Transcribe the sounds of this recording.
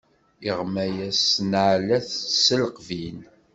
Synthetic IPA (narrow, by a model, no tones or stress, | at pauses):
iʁmæjæsnʕlæθsəlqvin